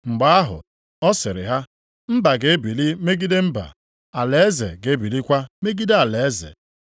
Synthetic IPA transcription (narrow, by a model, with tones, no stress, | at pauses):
ŋ͡m̩˨ɡ͡ba˨˦a˦ɦʊ̰˨ | ɔ˦sɪ˨ɾɪ̰˨ɦa˦ | m̩˦ba˨ɡe˨e˦bi˨li˦me˦ɡi˦de˦m̩˦ba̰˨ | a˨le˨e˦zḛ˨ɡe˨˦e˦bi˨li˦kʷa˦me˦ɡi˦de˦a˨le˨e˦zḛ˨